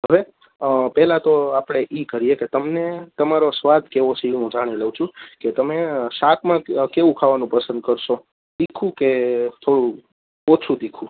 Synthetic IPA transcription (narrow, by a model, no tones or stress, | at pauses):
ɦəʋe | pɛɦlãt̪oapɽ̃eʔikəɾijeket̪əmnet̪əmaɾosʋad̪ʱkeʋosiũd͡ʒaɽ̃iləwt͡ʃʰũket̪əmeʃakʰmãkeʋũkʰaʋanũpəsə̃nd̪̚kəɾʃo | d̪ikʰũket̪ʰoɽu | ot͡ʃʰũd̪ikʰũ